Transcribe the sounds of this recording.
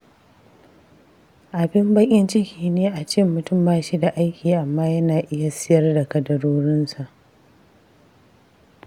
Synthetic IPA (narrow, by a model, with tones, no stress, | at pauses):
ʔa˨bɪ˦mbɐ˦kʲʼɪ˦nt͡ʃɪ˦kʲiː˨neː˦ʔa˨t͡ʃɪ˦mːʊ˨tʊ˦˨mbaː˦ʃiː˦da˨ʔa˦jkʲiː˨ʔa˨mːaː˦jɐ˦naː˨ʔɪ˦ja˨sɪ˦jɐ˦rda˨kɐ˨dɐ˨ɽoː˦ɾɪ˦nsa˨ʔ